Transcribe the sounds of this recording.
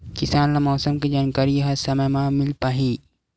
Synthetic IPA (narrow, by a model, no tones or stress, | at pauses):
kɪsaːnlamɔːsəmkid͡ʒaːnkaːɾijɐɦɐsɐmɐmamɪlpaːɦiː